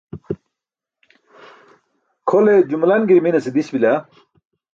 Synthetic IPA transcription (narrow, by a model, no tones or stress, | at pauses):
kʰoled͡ʑumlɐnɡiɾminɐsid̪iɕbila